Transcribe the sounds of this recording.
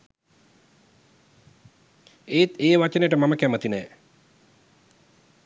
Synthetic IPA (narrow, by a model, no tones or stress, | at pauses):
eːt̪eːʋat͡ʃənejʈəmaməkæmət̪inɛː